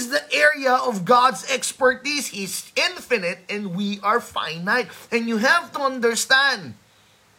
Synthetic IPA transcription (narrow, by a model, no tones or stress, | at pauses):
zðiʔɛɹiəɔvɡɑdzɛkspə˞tizhizɪ̃nfɪnɨt̪̚ɛ̃ndwiʔəɹfã̰ɪ̃naɪt̪̚ɛ̃njuɦævt̪uʌ̃nd̪ə˞st̪æ̃nd̪